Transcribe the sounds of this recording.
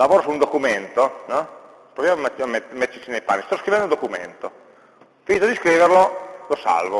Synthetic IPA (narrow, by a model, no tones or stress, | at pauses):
lavoːɾosund̪okument̪onɔ | pɾovjammmemet̪ːet͡ʃinejpa̰nːist̪ɔskɾivɛnd̪und̪okumḛnt̪o | finit̪od̪iskɾiːverlolosa̰lvo